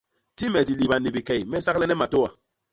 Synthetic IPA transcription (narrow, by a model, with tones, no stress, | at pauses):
ti˦mɛ˨di˨li˨ba˨ni˨bi˨kɛ˨jmɛ˦sa˦klɛ˦nɛ˦ma˨to˦wa˨